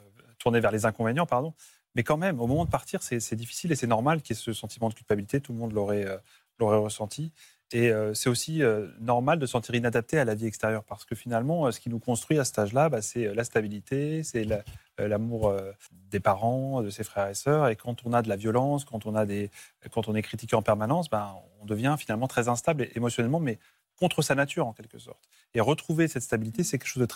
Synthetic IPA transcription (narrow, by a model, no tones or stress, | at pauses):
t̪uʁnevɛʁlezɛ̃kɔ̃venjɑ̃paʁd̪ɔ̃ | mɛkɑ̃mɛmomɔmɑ̃d̪əpaʁt̪iʁsɛsɛd̪ifi̥silesɛnɔʁmalkʲiɛsəsɑ̃t̪ʰimɑ̃d̪əkʲylpabilit̪et̪ulmɔ̃d̪lɔʁɛø | lɔʁɛʁəsɑ̃t̪ʰi | eøsɛt̪osiønɔʁmald̪əsɑ̃t̪iʁinad̪ap̚t̪ealaviɛkst̪eʁjœʁpaʁsə̥kəfinalmɑ̃øsə̥kʲinukɔ̃st̪χɥiasə̥t̪aʒlabasɛølast̪abilit̪esɛl | lamuʁø | d̪epaʁɑ̃d̪əsefχɛʁesœʁekɑ̃t̪ɔ̃nad̪əlavjɔlɑ̃skɑ̃t̪ɔ̃nad̪ekɑ̃t̪ɔ̃nɛkχit̪ikʲeɑ̃pɛʁmanɑ̃s̬bɛ̃ɔ̃d̪əvjɛ̃finalmɑ̃t̪χɛzɛ̃st̪ableʔemɔsjɔnɛlmɑ̃mɛ | kɔ̃t̪χəsanat̪yʁɑ̃kʲɛlkəsɔ̰ʁt̪ | eʁət̪χuvesɛt̪st̪abilit̪esɛkʲɛlkʃozd̪ət̪